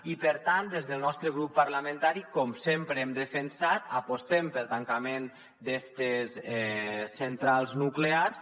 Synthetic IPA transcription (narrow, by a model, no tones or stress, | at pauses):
ipəɾt̪ant̪d̪ezðəlˠnɔst̪ɾəɣ̞ɾupːəɾləmẽnt̪aɾikɔmsempɾəemd̪əfənsat̪apost̪empəlˠt̪aŋkamen | d̪est̪esɛsːent̪ɾalˠznukleas